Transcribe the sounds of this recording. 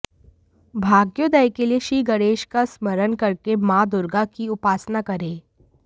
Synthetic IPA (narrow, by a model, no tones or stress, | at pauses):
bʱaːɡjod̪ɛjkelieʃiːɡəɾeːʃkasməɾənkɐɾkemãːd̪ʊɾɡakiʊpaːsnakɐɾẽː